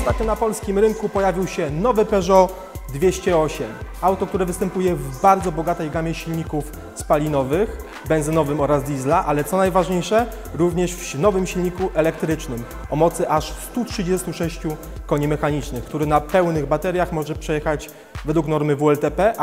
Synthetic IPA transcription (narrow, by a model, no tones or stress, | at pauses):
ɔst̪at̪̚ɲunapɔlskʲimɾɘŋkupɔjavʲiwɕɛnɔvɘpɛʐɔ | d̪vʲjeɕt͡ɕɛɔɕɛmawt̪ɔk̚t̪uɾɛvɘst̪ɛmpujɛvbaɾd̪zɔbɔɡat̪ɛjɡamʲɛɕilɲikuf | spalʲinɔvɘx | bɛnzɘnɔvɘmɔɾazd̪ʲizlaʔalɛt̪sɔnajvaʐɲejʂɛ | ɾuvɲɛʂfnɔvɘmɕilɲikuʔɛlɛkt̪ɾɘt͡ʂnɘm | ɔmɔt̪sɘʔaʂst̪utʂɘd͡ʑɛst̪uʂɛɕt͡ɕu | kɔɲɛmɛxaɲit͡ʂnɘxkt̪uɾɘnapɛwnɘɣbat̪ɛɾʲjaxmɔʐɛpʂɛjɛxad͡ʑ | vɛd̪wuknɔɾmɘvuɛlt̪ɛpɛ